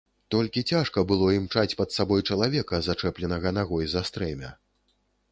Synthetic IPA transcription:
t̪ɔlʲkʲit͡sʲaʂkɐbɨlˠɔimt͡ʂat͡sʲpɐt̪sabɔjt͡ʂɐlˠavʲɛkɐzat͡ʂɛplʲɛnɐɣɐnaɣɔjzast̪ɾɛmʲɐ

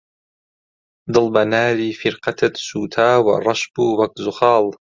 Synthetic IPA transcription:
d̪ɨlbanaːɾiːfɪɾqɑt̪ʰat̪suːt̪ʰaːwa̰ɾˤɑʃbuwakzʊxɑːl

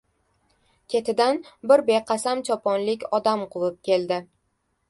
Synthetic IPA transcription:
kʲʰe̞t̪ʰɪd̪anbɪɾbe̞qʰɑsamt͡ʃʰɒpʰɒnlɪkʲɒd̪amqʰʊlˠɪp̚kʲʰe̞ld̪ɪ

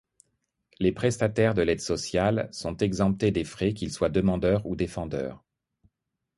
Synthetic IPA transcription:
lepχɛst̪at̪ɛʁd̪əlɛd̪sɔsjalsɔ̃t̪ɛɡzɑ̃p̚t̪ed̪efχɛk̬ʲilswad̪əmɑ̃d̪œʁud̪efɑ̃d̪œ̰ːʁ

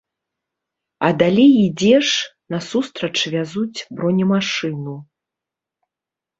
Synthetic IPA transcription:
ɐ̰d̪alʲejid͡zʲɛʂnɐsust̪ɾɐt͡ʂvʲazut͡sʲbɾɔnʲɛmaʂɨnu

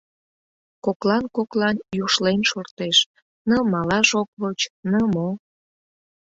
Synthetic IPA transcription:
koklɑnkoklɑnjuʃlenʃort̪eʃ | nəmɑlɑʃokβot͡ɕnəmo

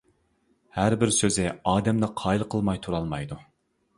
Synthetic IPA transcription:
hæɾbɪɾsøzɪɑːd̪ɛmd̪ɑqʰɑːjlˠqʰəlˠmɑjt̪ʰuɾɑlˠmɑjd̪u

